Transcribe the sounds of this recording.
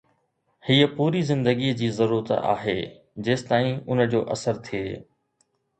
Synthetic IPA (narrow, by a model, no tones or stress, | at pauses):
hiːəpuːɾizɪ̃nd̪əɡid͡ʑiːzɐɾuːɾət̪a̰ːɦeː | d͡ʑeːst̪aːĩʊnə̆d͡ʑoːʔɐsəɾt̪ʰieː